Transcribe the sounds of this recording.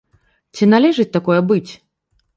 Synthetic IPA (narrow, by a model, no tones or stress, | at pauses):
t͡sʲinalʲɛʐɨt͡sʲt̪akɔjɛbɨt͡sʲ